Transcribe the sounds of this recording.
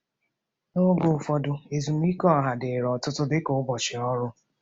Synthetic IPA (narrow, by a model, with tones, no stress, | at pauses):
no˦ɡo˨fɔ˦dʊ˦e˨zu˨m˦i˦kɔ˦˨ɦa˨dɪ˨ɾɔ˨tʊ˦tʊ˦dɪ˦ko˨ʊ˦bɔ˨t͡ʃɪ˨ɔ˦ɾʊ˦